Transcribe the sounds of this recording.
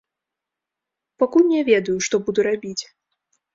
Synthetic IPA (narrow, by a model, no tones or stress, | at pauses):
pakulʲnʲɛvʲɛd̪ujuʂt̪ɔbud̪uɾabʲit͡sʲ